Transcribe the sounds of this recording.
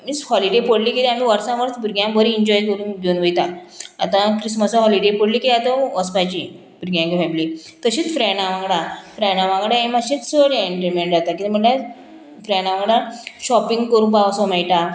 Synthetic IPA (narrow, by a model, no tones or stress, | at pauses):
mishɔliɖepəɽliːkit̪am̤iːʋəɾsãʋəɾt͡s̪buɾɡjãbəɾiːɲd͡ʑɔjkəɾuːnɡ̪onʋəjt̪aː | t̪ãkɾisməsɔɦɔliɖepəɽlikiat̪ãəspat͡ɕi | buɾɡjãŋkfɛbli | t̪əɕiːt͡sfɾɛnaʋãŋɡɽafɾɛnaʋãŋɡɽaemaɕit͡ssəɽeeɳʈeɾmeɳʈd͡zat̪akit̪im̤əɳla | fɾɛnaʋãŋɡɽaɕɔpiŋɡkəɾũːnbaʋsɔmɛjʈa